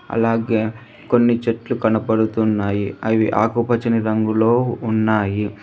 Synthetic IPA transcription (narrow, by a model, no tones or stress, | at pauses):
ɐ̰laːɡe̞ː | ko̞nːit͡ʃeʈlukɐnɐpɐɽut̪unːaːjiɐʋiʔa̰ːkupɐt͡ʃɐniɾɐŋɡulo̞ːunːaːji